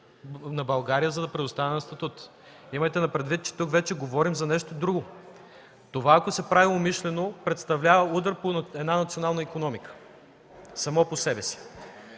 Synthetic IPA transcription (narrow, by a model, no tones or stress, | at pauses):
nɐbɐlˠɡaɾijəzɐd̪ɐpɾɛd̪ʊst̪anɛnɐst̪ɐt̪ut̪ | iməjt̪ɛnɐpɾɛd̪vit̪̚t͡ʃɛ̥t̪ukvɛt͡ʃɛɡovɔɾimzɐnɛʃt̪od̪ɾuɡo | t̪ovaːkosɛpɾaviomiʃlɛnopɾɛt̪st̪ɐvlʲavɐud̪əɾpoɛd̪nanɐt̪sionalˠnəikonɔmikə̥ | sɐmɔposɛbɛsi̥